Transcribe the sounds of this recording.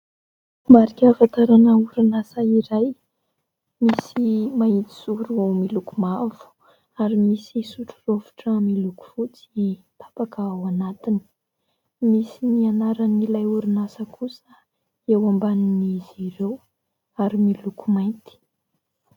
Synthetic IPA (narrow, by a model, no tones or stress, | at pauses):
maɾikʲafat̪aɾanauɾunasaiɾaj | misimait̪i̥suɾumilukumavu̥ | aɾimisisuʈ͡ʂurovu̥ʈ͡ʂamiluku̥fut͡si | t̪ʰḁpakaawanat̪ini̥ | misinianaɾanilajuɾinasəkʰusə | ewambaniniziɾew | aɾimilukumajnt̪i̥